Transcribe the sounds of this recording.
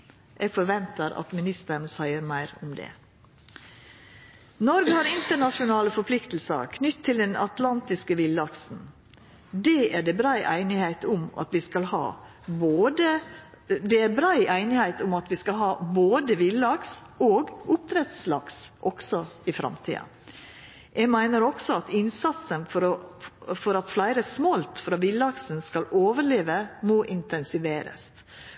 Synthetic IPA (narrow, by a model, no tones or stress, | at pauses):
ʔɛɡfɔɾʋɛnt̪əɾɑ̰t̪mɪnɪst̪əɾɳsæɪəɾmæɪɾʊmd̪ɛ̰ː | nɔɾɡəhɑɾɪnt̪əɳɑʂʊnɑːləfɔɾpʰlɪkt̪l̩sə̰ɾkʰnʏt̪ʰːɪld̪ɛnɑ̰t̪lɑnt̪ɪskəʋɪlɑksn̩ | d̪ɛːʔæɖɛbɾɑɪʔæ̰ɪnɪhæɪt̪ʊmɑ̰t̪ʋɪskɑlhɑ̰ː | boːd̪ə | d̪ɛæbɾɑɪʔæɪnɪhæɪt̪ʊmɑt̪ʋɪskɑlɦɑːboːd̪əʋɪlɑks | oːɡʔʊp̚t̪ʰɾɛt̪slɑksʔɔksɔɪfɾɑ̰mt̪ʰḭːɑ̰ | ʔɛɡmæɪnəɾɔksɔɑt̪ɪnsɑt̪sənfɔɾ | fɔɾɑt̪flæɪɾəsmɔlt̪fɾɑːʋɪlɑksnskɑloːʋəɾɭeːʋəmoːʔɪnt̪ɛnsɪʋeːɾə̰s